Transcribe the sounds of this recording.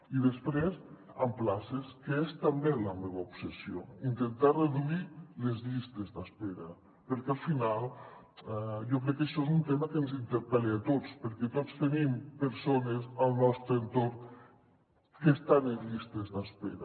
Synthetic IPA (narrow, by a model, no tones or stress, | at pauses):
iðəspɾez | əmplaseskəest̪əmbeləmeβəupsesioint̪ent̪areðuilezʎist̪ezd̪əspeɾɐ | pəɾkɛalˠfinalˠ | ɛjɔkɾɛkːəʃɔezunt̪eməkənzint̪əɾpɛleat̪ot͡spəɾkɛt̪ot͡st̪ənimpəɾsonezəlˠnɔst̪ɾəənt̪oɾ | kest̪anenʎist̪ezðəspeɾə